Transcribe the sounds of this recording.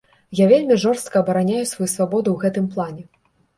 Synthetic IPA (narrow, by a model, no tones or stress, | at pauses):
javʲelʲmʲiʐɔrst̪̚kɐːbɐɾanʲajusvajusvabɔd̪ɨwɣɛt̪ɨmplˠanʲɛ